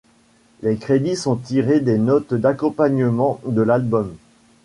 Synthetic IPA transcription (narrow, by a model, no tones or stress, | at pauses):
lekχed̪isɔ̃t̪iʁed̪enɔt̪d̪akɔ̃paɲəmɑ̃d̪əlalbɔm